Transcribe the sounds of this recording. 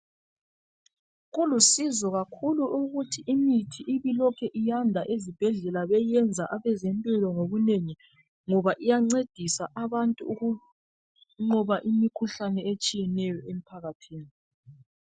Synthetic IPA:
ɣulusizɔɣakʰuluʔuɣutʰiʔimitʰiʔiβilɔkʰɛʔijandʱaʔezib̥ʱɛɮɛlaβɛjɛnd͡zʱaʔaβɛzɛmpʼilɔŋoɣuneŋi | ŋɔβaʔijaŋ͡ǀed̥ʱisaʔaβantʼuːɣu | ŋ͡ǃɔβaʔimikʰuɬanɛet͡ʃʼijɛnɛjɔem̩pʰaɣatʰiːni

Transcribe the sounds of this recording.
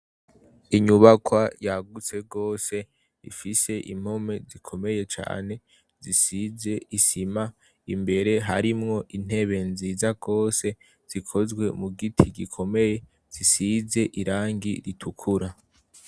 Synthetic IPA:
iɲuβakwajaɡut͡se̞ɡo̞ːse̞ | ḭfise̞ʔḭm̥home̞zikʰo̞me̞je̞t͡ʃa̰ːne̞ | zisize̞isima | imbe̞ɾe̞ɦa̰ɾimŋo̞ʔin̥e̞βe̞nziːzaɡo̞ːse̞ | z̥ikʰo̞zɡwe̞muɡitʰiɡikʰo̞me̞je̞ | z̥isize̞ʔiɾaːŋɡiɾitʰukʰuɾa

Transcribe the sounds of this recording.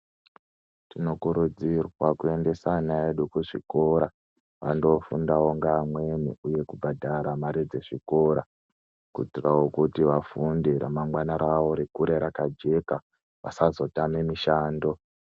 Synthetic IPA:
tinokuɾud͡zirwakue̞nde̞sanaeɗukuʐḭko̞ɾa | ʋa̰ndo̞fundawoŋɡaːmwe̞miuje̞kubʱadʱaɾamaɾid͡ze̞ʐiko̞ɾa | kṵd͡zirawokutiʋafundiɾa̰maŋɡwanaɾaʋo̞ɾekuɾeɾakad͡ʒe̞ka | ʋa̰sazo̞tame̞miʃaːndo̞

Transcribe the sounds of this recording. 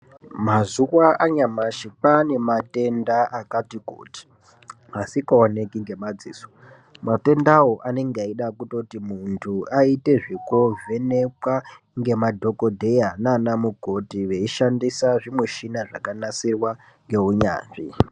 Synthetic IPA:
mazuwaaɲamaʃipane̞mate̞ndaakatiko̰ti̥ | asikaone̞kiŋɡe̞mad͡zḭːso̥ | mate̞ndawo̞ʔane̞ŋɡaiɗakuto̞timuntʰuaite̞ʐikovʱe̞nekwa | ŋɡe̞madʱo̞ko̞dʱe̞jananamuɡʱo̞tiʋe̞iʃandisaʐimuʃinaʐa̰kanasirwa | ŋɡe̞uɲa̰ːnʐi

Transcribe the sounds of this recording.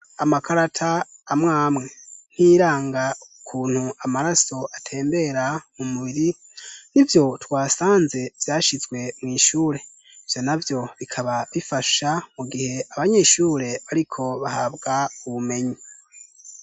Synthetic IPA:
amakʰaɾatʰaːmŋaːmŋe̞n̥iːɾaːŋɡaukʰuːn̥huamaɾaso̞ʔatʰe̞ːmbe̞ɾamumuβiɾi | nivjo̞twaːsaːnze̞v̥jaːʃizɡwe̞mŋiːʃuːɾe̞ | ivjo̞navjo̞βikʰaβaβifaʃamuɡihe̞aβaɲe̞ːʃuːɾe̞βaɾikʰo̞βahabɡauβume̞ɲi

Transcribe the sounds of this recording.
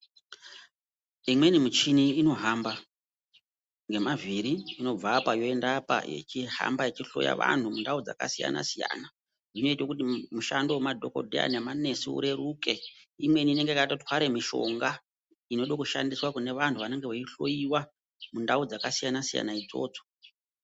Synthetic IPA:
imwe̞nimit͡ʃiniino̞ɦamba | ŋɡe̞maviɾiːno̞b͡vapajo̞endapa̰je̞̰t͡ʃiɦa̰mbajet͡ʃiɬo̞̰ja̰ʋa̰n̤umundaud͡za̰ka̰sija̰na̰sija̰ːna | nino̞itwokutimuʃandowemadʱo̞ko̞̰dʱea̰nemane̞suṵɾe̞ɾuke̞imwe̞iniːne̞ŋɡeikaitatwaɾemiʃo̞̰ŋɡa | ino̞ɗokuʃa̰ndiswakune̞ʋantʰuʋane̞ŋɡe̞wet͡ʃiɬo̞jiwa | mundaud͡zakasijanasija̰naid͡zo̞̰ːt͡so̥

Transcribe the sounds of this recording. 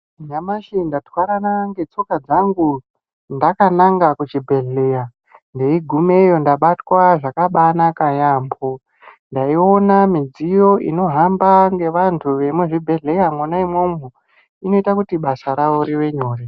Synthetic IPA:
ɲamaʃindatwaɾanaŋɡe̞t͡sokad͡zaŋɡu | ndakanaŋɡakut͡ʃibʱe̞ɮeja | nde̞iɡʱumejo̞ndaɓatwaʐakaɓanakajaːmbo | ndaio̞namid͡zijo̞ʔḭno̞ɦambaŋɡe̞ʋantʰuʋe̞muʐibʱe̞ɮe̞jamwonaimwo̞mu | ino̞itakutiɓasaɾaʋoɾiʋe̞ɲoːri

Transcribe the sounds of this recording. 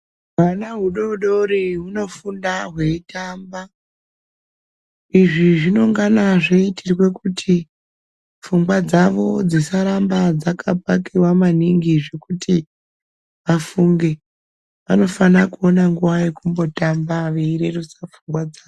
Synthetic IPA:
manaɦuɗo̞ɗo̞ɾiɦuno̞fundaɦwe̞itamba | iʐiʐino̞ŋɡanaʐeitʰirwe̞kutʰi | fuŋɡwad͡zaʋo̞d͡zisaɾambad͡zakʰapakewamaniŋɡiʐe̞kuti | ʋafuŋɡe̞ | ʋano̞fanakuo̞naŋɡuʋajekumbo̞tambaʋeiɾerusafuŋɡwad͡zaːo

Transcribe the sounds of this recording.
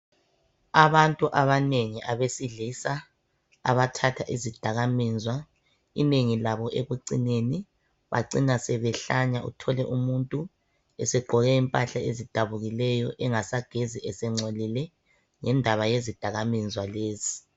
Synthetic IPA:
aβantʼuʔaβaneŋiʔaβesiɮisa̰ː | βatʰatʰaʔizid̥ʱaɣamiːnd͡zʱwa | ḭneŋilaβɔʔeɣuǀineni | βa̰ǀinasɛβɛɬaɲaṵtʰɔlɛʔumuntʼu | ɛsɛɡ͡ǃʱɔɣɛimpʼaɬaezid̥ʱaβuɣilɛjɔʔɛŋasaɡ̥ʱeziʔɛsɛŋ͡ǀolilɛ | ŋɛndʱaβajezid̥ʱaɣamind͡zwaleːzi

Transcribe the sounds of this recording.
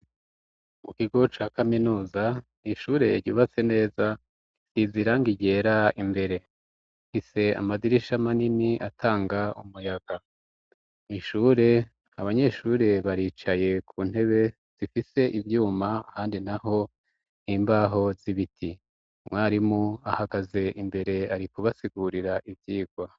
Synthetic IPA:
mukiɡo̞t͡ʃaːkaminuːzaniʃuːɾe̞ɾɟuːβat͡se̞ne̞ːza | siziɾaŋɡiɟe̞ːɾaimbe̞ɾe̞̥ | hise̞a̰maziɾiʃamaniniʔatʰaːŋɡaumujaɡ̥a | niʃuːɾe̞ | aβaɲe̞ʃuːɾe̞βaɾiːt͡ʃaje̞kʰuːn̥he̞βe̞ | z̥ifise̞ʔivjuːmaːhaːndinaɦo̞ | niːmbaːɦo̞ziβitʰi | mŋaːɾimuahaɡaze̞ʔimbe̞ɾe̞aɾikuβasiɡuɾiɾaʔivjiːɡ̥wa

